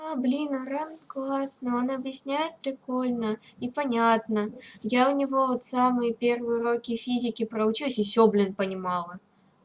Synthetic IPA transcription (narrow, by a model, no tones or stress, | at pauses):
ablʲinəranklˠasnɨo̞nɐbjɪsʲnʲæjɪt̪̚pɾʲɪko̞lʲnə | ipɐnʲat̪nəjaʊnʲɪvo̞vot̪samɨjɪpʲe̞rvɨjʊɾo̞kʲɪfʲizʲɪkʲɪpɾəʊt͡ɕusʲɪsʲoblʲɪnpənʲɪmɑlˠə